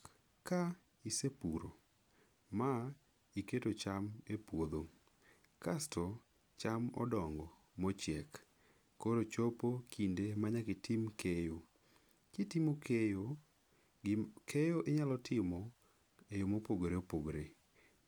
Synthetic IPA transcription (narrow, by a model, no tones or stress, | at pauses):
ka | isepuɾo̰ | ma | iketot͡ʃamepwod̪o | kastʰɔ | t͡ʃamɔ̰dɔŋɡɔ | mɔt͡ʃjɛkː | oɾot͡ʃopokʰindemaɲakɪtimkʰejo | kɪtimokejo | kʰejoʔeɲalɔtʰɪmɔ | ejomopoɡoɾeopoɡɾe